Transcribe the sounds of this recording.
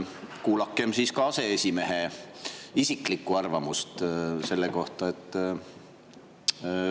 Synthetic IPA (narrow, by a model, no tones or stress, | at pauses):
kuːlɑkːˑe̞msiːskɑɑse̞esʲime̞ɦe | isikˑlikːˑuɑrvɑmust̪se̞lːeko̞ht̪ɑet̪ːˑ